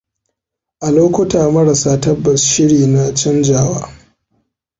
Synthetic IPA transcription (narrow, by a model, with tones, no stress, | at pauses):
ʔa˨loː˦kʷʊ˦taː˨mɐ˦ɽa˨saː˦tɐ˦bːɐ˨sʃɪ˦ɽiː˨na˦t͡ʃɪ˦nd͡ʒaː˨wa̰ː˦